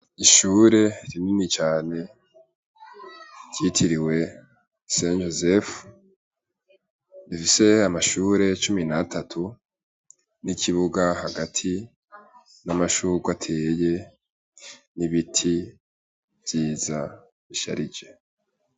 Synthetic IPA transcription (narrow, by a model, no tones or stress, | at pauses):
iʃuːɾe̞ɾininit͡ʃaːne̞ | jitʰiɾiwe̞ | send͡ʒozef | ifise̞amaʃuːɾe̞t͡ʃuminatʰatʰu | nikʰiβuɡaɦaɡatʰi | namaʃuːɾɡwatʰeːje̞ | niβitʰi | v̥jiːza̰ | βiʃa̰ɾid͡ʒe̞